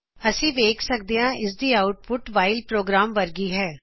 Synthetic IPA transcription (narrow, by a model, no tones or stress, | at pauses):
əsĩːʋeːkʰsək̚d̪eːãːʔɪs̬d̪iːaːʊʈ̚pʊʈʋaːɪlpɾoːɡɾaːmʋəɾɡiːɦɛː